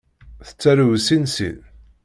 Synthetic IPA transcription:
θə̥t͡sːæɾuvsinsḭð

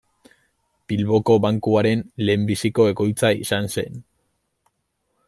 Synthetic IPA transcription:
b̥ilβo̞ko̞βaŋkuaɾe̞nle̞ːmbisiko̞e̞ko̞jt͡saḭsanse̞n

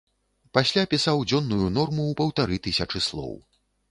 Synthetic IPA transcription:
pasʲlʲapʲisawd͡zʲɔnːujunɔrmuwpɐwt̪aɾɨt̪ɨsʲɐt͡ʂɨslˠɔ̰w

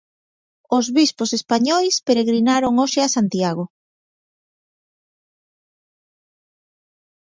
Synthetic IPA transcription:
ozβisposespaɲɔjspeɾeɣɾinaɾoŋoʃeasant̪jaɣ̞o

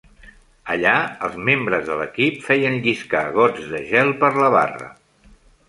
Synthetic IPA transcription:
əʎaəlˠzmembɾəzðələ̰kipfɛjənʎiska̰ɣ̞ɔd͡zðəʒɛlˠpəɾləβ̞a̰rə̰

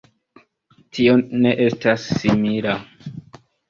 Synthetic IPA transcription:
tio̞ne̞ʔe̞stasːimila

